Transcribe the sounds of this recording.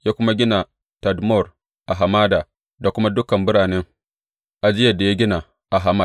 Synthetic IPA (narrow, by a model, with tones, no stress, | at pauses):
ja˦kʷʊ˦ma˦ɡʲɪ˦na˨ | ta˨dmɔ˦˨ɾ | ʔa˨ɦa˨maː˦da˨ | da˨kʷʊ˦ma˦dʊ˦kɐ˨mbʊ˦ɾaː˨nɛ˦ŋ | ʔa˨d͡ʒɪ˦ja˨da˨ja˦ɡʲɪ˦na˨ | ʔa˨ɦa˨ma˦